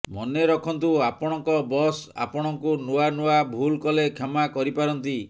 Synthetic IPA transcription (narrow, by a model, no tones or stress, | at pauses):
mɔneɾɔkʰɔnt̪uapɔɽ̃ɔŋkɔbɔsa̰pɔɽ̃ɔŋkunuanuwabʱulkɔlekʰemakɔɾipaɾɔnt̪i